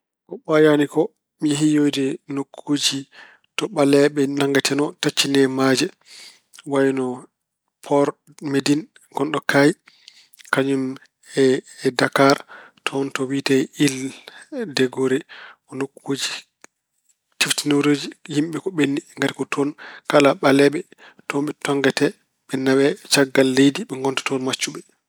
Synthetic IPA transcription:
kɔɓajanikɔ | miɦijojdinokʰːud͡ʒi | tɔɓalɛɓɛnaŋɡatʰɛnɔtat͡ʃːinɛmad͡ʒɛ | wajnɔ | pʰɔɾ | medin | ɡɔnɗɔkʰaj | kaɲum | ɛdakaɾtʰɔntɔwitɛil | dɛɡoɾɛɔnɔkwod͡ʒi̥ | tiftinoɾod͡ʒihimɓɛkɔɓenːiŋɡaɾikɔtʰɔnkalaɓalɛɓɛ | tɔmɓɛtɔŋɡɛtɛ | ɓɛnawɛt͡ʃaɡːalːejdiɓɛŋɡɔntḁtɔnmat͡ʃːuɓɛ

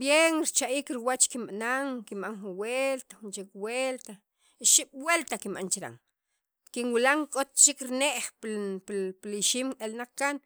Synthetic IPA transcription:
bjenɾit͡ʃaʔiːkɾiwat͡ʃkimɓanaŋkimɓaŋxuwelt̪axunt͡ʃekwelt̪a | iʃiɓ̥welt̪akimɓa̰nt͡ʃiɾa̰ŋ | kinwilaŋkʼot̪̚t͡ʃikɾineʔχpppliʃiːmelnaq͡χkan

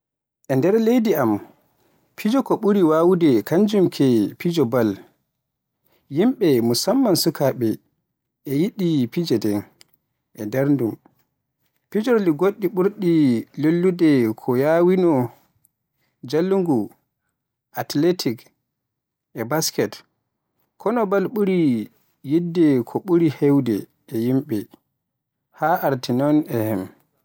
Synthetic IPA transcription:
ʔɛndɛɾlejdiam | pʰid͡ʒɔkɔɓuɾiwawudɛkʰaɲd͡ʒumkʰɛpid͡ʒɔbal | jimɓɛmusamːansukʰaɓɛ | ʔɛjiɗipid͡ʒɛdɛ | ʔɛdɛɾndum | pid͡ʒɔɾliɡoɗːiɓuɾɗilolːudɛkʰɔjawinɔ | d͡ʒalːuŋɡu | ʔatletʰik | ʔɛbaskɛt | kʰɔnɔbalɓuɾi | jidːɛkʰɔɓuɾihewdɛ | ɛjimɓɛ | haʔaɾtinɔnɛhɛm

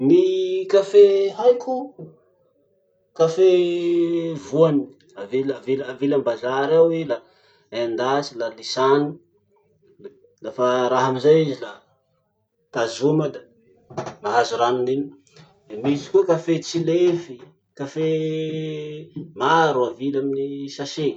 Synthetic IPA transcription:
nikafehajku | kafe | vuani̥ | avilavilavilambazaɾawila | aand̪at͡ʃilalisani | lafaɾaɦamizajizila | t̪azumad̪ə | maɦazuɾaninin | misi̥kuakafet͡silefi | kafe | maɾuavilaminisase

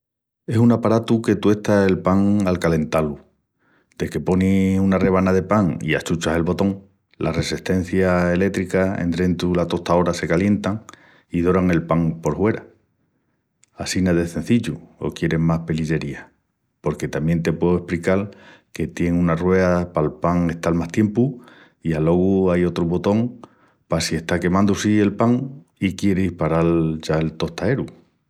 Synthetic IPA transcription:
e̞sunapaɾat̪uke̞t̪we̞ht̪ae̞lpaŋalkale̞nt̪alu | d̪̥e̞ke̞po̞nihunare̞β̞anaðe̞paŋḭa̰t͡ʃut͡ʃaɦe̞lβo̞t̪o̞ŋ | lare̞siht̪e̞n̟θjae̞le̞t̪ɾikaḛnd̪ɾe̞nt̪ulat̪o̞ht̪ao̞ɾase̞kalje̞nt̪aŋ | iðo̞ɾaŋe̞lpaŋpo̞ɾhwe̞ɾa | asinaðeθe̞n̟θiʎuo̰kje̞ɾe̞mmahpe̞liʎe̞ɾia | po̞ɾke̞t̪amje̞nt̪e̞pwe̞ðoehplikalke̞t̪je̞ŋũnarwe̞apalpaŋe̞ht̪almaht̪je̞mpu | ialo̞ɣuajo̞t̪ɾuβo̞t̪o̞ŋ | pasie̞ht̪ake̞mãnd̪usie̞lpaŋ | ikje̞ɾeihpaɾalʝaelt̪o̞ht̪ae̞ɾu

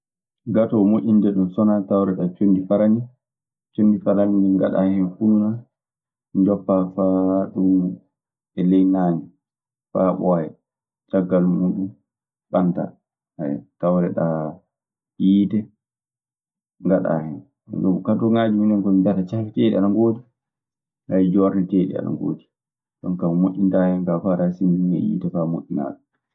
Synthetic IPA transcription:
ɡatɔmoʔʲindɛɗunsɔnatawɾɛɗat͡ʃondifaɾani | t͡ʃondifaɾaniŋɡa̰ɗa̰hɛnfununa | d͡ʒɔpːafaɗum | ɛlɛjnaːɲi | faɓɔjɛ | t͡ʃaɡːalmuːɗum | ɓanta̰ | haj̰tawɾɛ̰ɗa | jiːtɛ | ŋɡaɗa̰ːhɛn̰ | nɔkaɗuŋad͡ʒuminɛnkɔmibatat͡ʃafiteɗḭaɗaŋɡodi | ʔajd͡ʒɔɾɛteɗḭa̰ɗa̰ŋɡo̰ːdi̥ | ɗɔ̰ŋkammoʔʲːintahɛŋɡafaɾasindiiŋa̰jḭːtɛfamoʔʲːina̰ːɗu

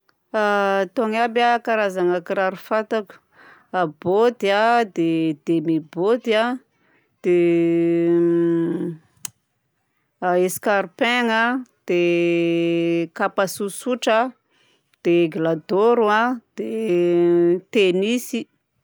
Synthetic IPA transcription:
at̪oŋabakaɾazaŋakiɾaɾufat̪aku̥ | abod̪iad̪ed̪̥emebod̪ia | d̪̥e | eskaɾipeŋad̪̥e | kapasusuʈ͡ʂa | d̪̥eɡlad̪oɾuad̪̥e | t̪enisi

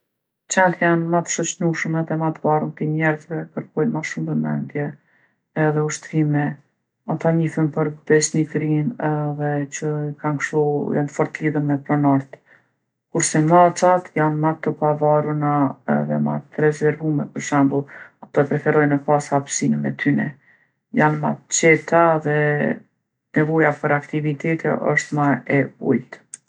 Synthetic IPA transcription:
t͡ʃɛnt̪janmat̪ə̥ʃɔt͡ʃnuʃəmɛðɛmat̪əvarunt̪imɛɾzvɛkəɾkɔjnmaʃumbəmɛ̰nd̪jɛ | ɛðɛuʃt̪ɾimɛ | at̪aɲiθənpəɾd̪ɛsnit̪ɾinɛðɛt͡ʃəkankʃtujant̪fɔɾt̪liðəmɛpɾɔnɔɾt̪ | kuɾsɛŋat͡sat̪janmat̪əpavarunaɛ̰ðɛ̰ma̰t̪ɾɛzɛɾvumɛpəɾʃɛmbəlˠat̪ɔɛpɾɛfɛɾɔjnəpashapsinəmɛt̪ʰynɛ̰ | janma̰t̪t͡ʃɛt̪aðɛ | nɛvɔjapəɾakt̪ivit̪ɛt̪ʰɛ̰ʔə̰ʃt̪maɛbṵjt̪

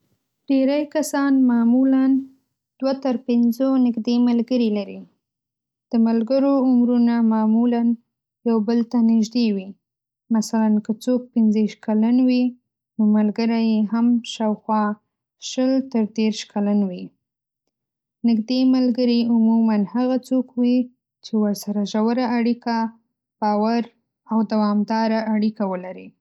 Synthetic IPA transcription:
ɖ̥eɾajkasɑnmɑmulan | d̪̥wat̪əɾpɪnzonɪɡd̪emalɡəɾilaɾi | d̪̥əmalɡəɾoʊmɾunamɑmulan | jawbəlt̪anɪʒd̪ewi | masalankət͡sok̚pɪnziʃt̪kalanwi | nomalɡəɾajeɦamʃɑwxwɑ | ʃəlt̪əɾd̪eɾʃkalanwi | nɪɡd̪emalɡəɾiʊmumanhaɣat͡sokwi | t͡ʃewəɾsaɾaʒawəɾaːɽika | b̥ɑwaɾ | awd̪awɑmd̪ɑɾaːɽikawəlaɾi

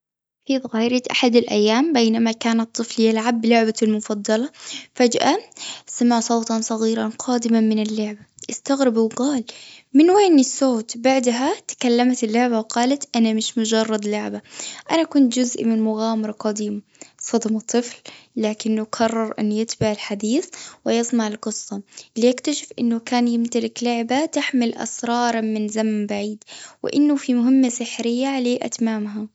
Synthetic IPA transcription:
fiðˤɣaːjɾɪt̪ʔaħad̪alʔa̰jːaːmbeːnamakaːnat̪ˤːɨfljalʕabːɪlʊʕbalmʊfɑd̪ˤːɑlɑfad͡ʒʔasamaʕsˤowt̪ˤɑnsˤɑɣiːɾɑnqʰɑːd̪ɪmamɪnɪlːʊʕbaʔɪst̪aɣɾɪbwɡaːlmɪnweːnːɪsːoːt̪baʕd̪ɦat̪ḁkalːamat̪ɪlːʊʕbawqɑːlat̪ʔanamɪʃmʊd͡ʒɑrˤːɑd̪lʊʕbaʔanakʊnt̪d͡ʒʊzʔmɪnmʊɣaːmɑɾˤɑqɑd̪iːm | sˤɑd̪mɑt̪ˤːɨflːaːkɪnːʊqʰɑrˤːɑɾˤʔɪ̰nːjɪt̪baʕɪlħad̪iːθwɪjɨsˤmɑʕɪlqɨsˤːɑlijɪkt̪aʃɪfʔɪ̰nːʊkaːnjɪmt̪alɪklʊʕbat̪ɪħmɪlʔɑ̰sɾˤɑːɾˤmɪnzamambaʕiːd̪wɪ̰ʔɪ̰nːʊfimʊɦɪmːasɪħɾɪjːaʕaleːʔa̰t̪maːmɦa

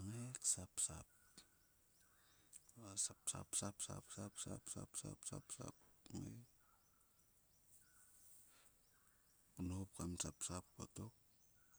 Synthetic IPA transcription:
ŋeksapsap̚ | asapsa̰psapsa̰psapsa̰psa̰psa̰psa̰psa̰pŋḛ | kunop̚kamsapsap̚ko̰tok̚

